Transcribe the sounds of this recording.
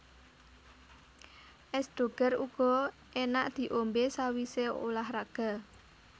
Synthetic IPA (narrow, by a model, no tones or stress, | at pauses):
ʔɛsd̪̥o̤ɡ̥ə̤ruɡ̥ɔ | enaʔd̪̥i̤ʔombesawiseo̰lahraɡ̥a̤